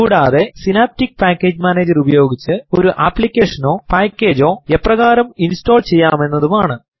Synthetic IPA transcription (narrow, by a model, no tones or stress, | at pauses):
kuːɽaːðe̞sinaːp̚tik̚ːpaːkʲːe̞ːd͡ʑmaːne̞ːd͡ʑɐrubɐjo̞ːɡit͡ɕːɨo̞ɾuʔapːlikʲːe̞ːʂɐno̞ːpaːkʲːe̞ːd͡ʑo̞ːe̞pːrɐɣaːɾɐminsto̞ːlt͡ɕe̞jːaːme̞nːɐðumaːɳɨ